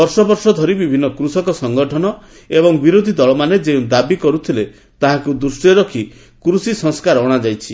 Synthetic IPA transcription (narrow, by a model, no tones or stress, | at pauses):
ɔɾsɔbɔɾsɔd̪ʱɔɾibibʱinːɔkɾusɔkɔsɔŋɡɔʈʰɔnɔ | ebɔŋbiɾod̪ʱid̪ɔɭɔmaned͡ʒeũd̪abikɔɾut̪ʰile | t̪aɦakud̪usʈeɾɔkʰi | kɾusisɔŋskaɾɔɽ̃ad͡ʒajt͡ʃʰi